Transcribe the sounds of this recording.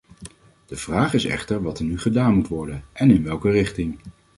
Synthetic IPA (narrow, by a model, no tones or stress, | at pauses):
d̥əv̥raːχɪsɛ̰χtəɹʋɑtəɹnyχədaːnmutʋɔɹdənʔɛnɪnʋɛlˠkərɪχtɪŋ